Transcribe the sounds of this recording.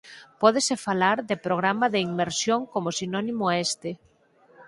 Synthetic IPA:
pɔðesefalaɾðepɾoɣ̞ɾamaðeiŋmeɾsjoŋkomosinɔnĩmoest̪e

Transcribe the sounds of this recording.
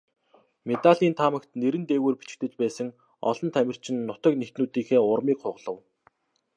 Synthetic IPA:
met̪aɮiːnt̪ʰamə̆kt̪neɾɘ̆nt̪eːweːrpi̥t͡ɕɪ̥̆k̚t̪ɘ̆t͡ɕpæːsə̆ŋ | ɔ̰ɮɞ̆nt̪ʰæmʲɪ̆r̥t͡ɕʰɪ̆nːʊt̪ɞ̆knext̪nuːt̪iːxeːʊrmiːkχʊʁɮə̆w

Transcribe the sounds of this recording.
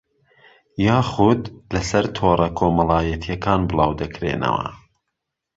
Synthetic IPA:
jaːχud̪lɐsɐɾt̪ʰoːrˤɐkʰoːmɐlɑːjɐt̪ʰjɐkʰaːnbɨlˠɑːwd̪ɐkɾḛːnɐ̰wɐ̰

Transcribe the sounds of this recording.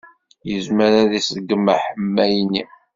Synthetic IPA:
jəzməɾæðisəɡːəmːaħəmːæjni

